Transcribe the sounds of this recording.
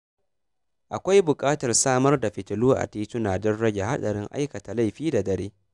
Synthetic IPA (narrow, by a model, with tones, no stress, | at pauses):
ʔa˨kʷa˦jbʊ˨kʼaː˦tɐ˨rsaː˦mɐ˦rda˨ɸɪ˨tɪ˨luː˦ʔa̰˨tiː˦tʊ˦naː˨dɔ˦nɽɐ˦ɡʲe˨ɦa˦ɗɐ˨ɽɪ˦ŋʔa̰˦jkɐ˨ta˨la˦jɸiː˦da˨dɐ˨ɾeː˦